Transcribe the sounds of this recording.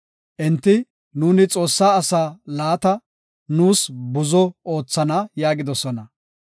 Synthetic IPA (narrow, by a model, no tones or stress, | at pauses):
ʔɪnt̪ːɪ | nuːnɪt͡sʼo̞ːsːaːɐsaːlaːt̪ɐ | nuːsbʊzɔoːt͡sːɐnɐjaːɡɪd̪ɔsɔnɐ